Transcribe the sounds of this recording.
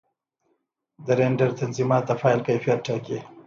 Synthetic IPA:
d̪əɾeɳɖaɾt̪anzimɑːt̪̚d̪əfɑjlkajfijat̪̚ʈake

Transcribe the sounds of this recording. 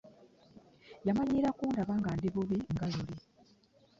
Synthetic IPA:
jamaɲiɾakuːndaβaːŋɡandiβuβiŋɡaluli

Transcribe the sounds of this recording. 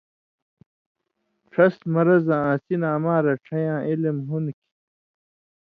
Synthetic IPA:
ʈ͡ʂʰɐsmɐɾɐzãːãːsinaːmãːɾɐʈ͡ʂʰɐjãːʔilemɦunkʰi̥

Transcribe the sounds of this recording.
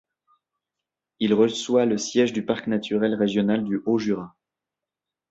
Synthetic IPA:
ilʁəswaləsjɛʒd̪ypaʁknat̪ʰyʁɛlʁeʒjɔnald̪yʔoʒyʁa

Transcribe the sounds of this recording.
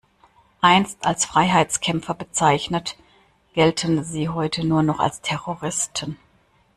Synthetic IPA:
ʔaɪnstalsfʁ̥aɪɦaɪt͡skʰɛmfɐbət͡saɪçnət | ɡ̥ɛltʰənziːɦɔʏtʰənuːɐnɔχa̰lstʰɛʁoʁɪstʰən

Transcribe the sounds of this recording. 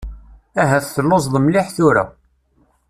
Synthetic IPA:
æɦæθθəlːosˤðˤmliħθʊɾæ̰

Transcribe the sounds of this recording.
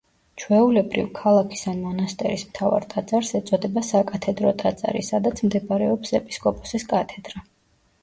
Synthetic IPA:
t͡ʃʰwɛulɛbɾḭvkʰalˠakʰi̥sanmɔnast̪ʼɛ̰ɾismt̪ʰava̰ɾt̪ʼad̪zaɾsɛt̪sʼɔd̪ɛbasakʼat̪ʰɛd̪ɾɔt̪ʼat̪zʼa̰ɾḭsad̪at̪sʰmd̪ɛbaɾɛɔpsɛpʼi̥skʼɔpʼɔ̥siskʼat̪ʰɛd̪ɾa

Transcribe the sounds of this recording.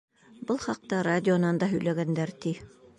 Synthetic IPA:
bɤlˠχɑq̚t̪ɑradʲɪonɑnd̪ɑɦɵ̆jlæɡænd̪æɾt̪i

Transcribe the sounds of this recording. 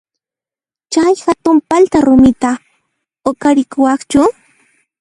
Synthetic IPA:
t͡ʃajxat̪ʊmpalt̪aɾʊmɪt̪a | okaɾɪkʊwɑχt͡ʃʊ

